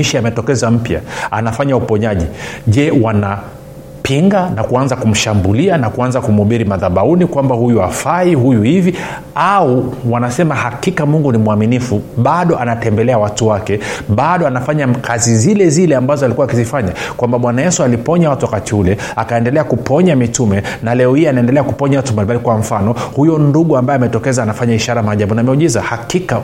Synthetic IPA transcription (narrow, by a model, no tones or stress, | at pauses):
iʃiamɛtɔkɛzam̩pja̰a̰nafaɲaupɔɲaʄiʄɛwana | pʰiŋɡanakuanzakum̩ʃambulianakuanzakumuɓiɾimaðaɓaunikwambahujuafaiɦujuhivi | auwanasɛmahakikamuŋɡunimuaminifuɓaɗɔʔanatɛmbɛlɛawatuwakɛɓaɗɔanafaɲakʰazizilɛzilɛambazɔalikuaːkizifaɲakwambaɓwanajɛsualipɔɲawatuwakatiulɛ | akaɛndɛlɛakupɔɲamitumɛnalɛɔhianaɛndɛlɛakupɔɲawatumbalimbalikwaɱ̩fanɔhujɔnduɠuambajɛamɛtɔkɛzaːnafaɲaiʃaɾamaʄaɓunamɛuʄizahakika